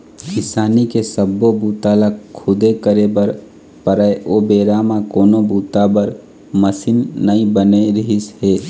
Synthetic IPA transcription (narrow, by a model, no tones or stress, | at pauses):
kɪsaːnikesəbːobuːt̪alakʰʊd̪ekəɾebəɾ | pəɾəeoːbeːɾaːmãkoːnobuːt̪abəɾ | məsɪnːəĩbəneɾɪɦisɦeː